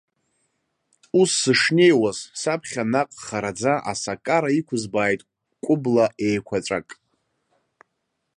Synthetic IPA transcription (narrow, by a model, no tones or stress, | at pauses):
usːɨʂne̞jwazsapʰχʲanaqʼχaɾad͡zaʔa̰sakʼaɾaikʷʰʊzbaːjtʼ | kʷʼʊblaʔejkʷʰat͡ʃʷʼakʼ